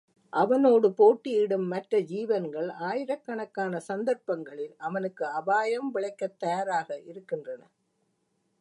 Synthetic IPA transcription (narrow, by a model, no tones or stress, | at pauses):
ʔɐʋɐnoːɽɯpoːʈːɪɪɽɯmːɐʈrɐd͡ʒiːʋɐnɡɐɭaːjɪɾɐkːɐɳɐkːaːnɐsɐnd̪ɐɾpɐŋɡɐɭɪlɐʋɐnɯkːɯɐbaːjɐmʋɪɭɐɪkːɐt̪ːɐjɐɾaːɣɐʔɪɾɯkːɪndrɐnɐ̰